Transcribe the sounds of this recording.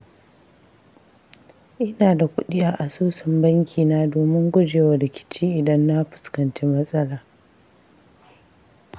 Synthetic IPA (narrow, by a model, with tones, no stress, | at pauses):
ʔɪ˦naː˨da˨kʷʊ̰˦ɗɪ˦jaː˦ʔa˨suː˦sɐ˨mbɐ˦ŋkʲʰiː˨naː˦doː˨mɪ˦ŋɡʷʊ˦d͡ʒeː˨wa˨ɾɪ˨kʲɪ̥˦t͡ʃiː˦ʔɪ˨dɐ˦nːa˦ɸɪ̥˨skɐ˨nt͡ʃeː˦mɐ˦sʼɐ˦laː˨